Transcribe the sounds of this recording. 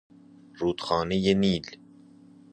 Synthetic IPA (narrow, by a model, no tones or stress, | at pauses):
ruːt̪xɑːnejeniːl